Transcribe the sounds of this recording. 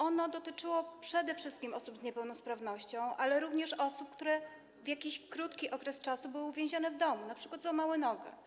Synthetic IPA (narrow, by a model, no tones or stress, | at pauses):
ʔɔnɔd̪ɔt̪ɘt͡ʂɘwɔpʂɛd̪ɛfʂɘst̪̚kʲimʔɔsubzɲɛpɛwnɔspɾavn̪ɔɕt͡ɕɔ̃w̃ʔalɛɾuvɲɛʂɔsup̚kt̪uɾɛ | vʲjakʲiɕkɾut̪kʲiʔɔkɾɛst͡ʂasubɘwvʲjẽw̃ʑanɛvd̪ɔmunapʂɘkwat̪zamawɛnɔɡɛ̰